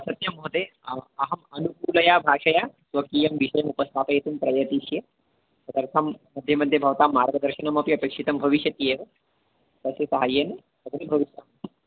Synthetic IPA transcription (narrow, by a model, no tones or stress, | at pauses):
ɐsɐt̪jɐmoɦt̪eːɐɦɐmɐnukuːlɐjaːbʱaːʂɐjaːsʋɐkiːjɐmʋiʃɐjɐmupɐst̪ʰaːpɐjet̪umpɾɐjɐt̪iʃjɐ | sɐd̪ɐɾt̪ʰamːɐd̪ʱjɐmɐd̪ʱjɐbʱɐʋɐt̪aːmːaːɾɡɐd̪ɐɾʃɐnɐmɐpiɐpeːkʂit̪ɐmbʱɐʋiʃjɐt̪jeːʋɐ | sɐsɐsɐɦaːjene | sɐb̪ɐɾibʱɐʋiʃjaːm